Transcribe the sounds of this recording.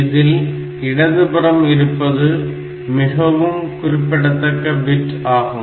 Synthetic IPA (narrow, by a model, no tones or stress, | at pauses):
ɪðɪl | ɪɽɐðɯbɐɾɐmɪɾɯpːɐðɯ | mɪɣɐʋɯmkʊrɪpːɪɽɐt̪ːɐkːɐʋɪʈaːɣɯm